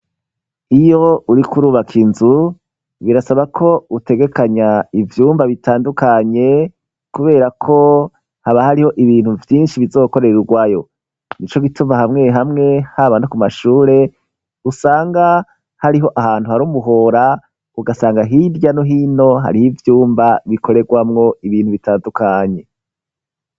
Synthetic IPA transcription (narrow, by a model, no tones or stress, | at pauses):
ijo̞uɾikuɾuːβakʰinzu | βiɾasaβakʰo̞ute̞ɡe̞kaɲaivjuːmvaβitʰaːndukaɲe̞ | kuβe̞ːɾakʰo̞ | haβahaɾiho̞ʔiβiːn̥huvjiːnʃiβizo̞ːko̞ɾe̞ɾeɾuɡwajo̞ | nit͡ʃo̞ɡitumahamŋe̞ɦamŋe̞haβanokumaʃuːɾe̞ | usaːŋɡa | haɾiɦo̞ʔahaːn̥huhaɾuːmuɦo̞ɾa | uɡasaːŋɡaɦidjanoɦino̞ɦa̰ɾihivjuːmbaβikʰo̞ɾe̞ɡwamŋo̞iβiːn̥huβitaːndukaɲe̞